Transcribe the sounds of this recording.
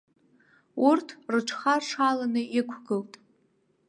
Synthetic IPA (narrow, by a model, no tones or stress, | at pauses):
urtʰrɨʈ͡ʂʷʰχarʂʰalanɨikʷʰɡɨltʼ